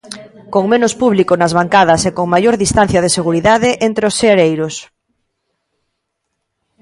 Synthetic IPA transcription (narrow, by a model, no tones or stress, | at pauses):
koŋmẽnospuβ̞likonazβaŋkaðɐsekoŋmajoɾðist̪an̟θjɐð̞eseɣ̞uɾiðaðeʔent̪ɾeosːeɾejɾos